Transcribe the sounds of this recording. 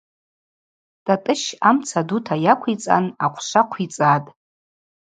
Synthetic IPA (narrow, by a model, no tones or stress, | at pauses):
d̥atʼɨʃamt͡sʰadutʰajakʷʰit͡sʼa̰naqʷʰʃʷaqʷʰit͡sʼatʼ